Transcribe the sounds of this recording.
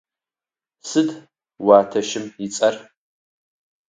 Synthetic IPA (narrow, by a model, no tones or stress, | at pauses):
sɨd | waːtʰɐʃɪmjɪt͡sʼɐr